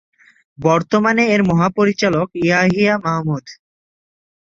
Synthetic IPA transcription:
bɔɾt̪omaneeɾmɔɦapoɾit͡ɕalokiaɦijamaɦmud̪

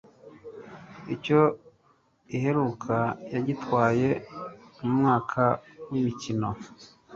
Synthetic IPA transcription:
ico̞ | iɦe̞ɾuːkʰajaɟitwaːje̞mumŋaːkʰawimicino̞̰

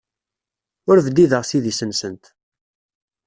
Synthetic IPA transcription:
ʊɾvd̪iðəʁsiðisənsənt̪

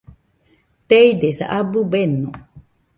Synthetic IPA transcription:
t̪eid̪esa̰ʔabubeno

